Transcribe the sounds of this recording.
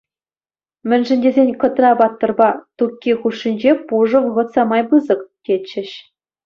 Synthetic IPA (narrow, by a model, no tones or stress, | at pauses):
mʲɘ̆nʲʐɘ̆nʲdʲezʲenʲkɤ̆t̪rɑbɑt̪ːɤ̆rbɑt̪ukʲːixuʂːinʲd͡ʑepuʐɤ̆ʋɤɣɤ̆t̪sɑmɑjbɯzɤ̆kkʲet͡ɕːɘ̆ɕ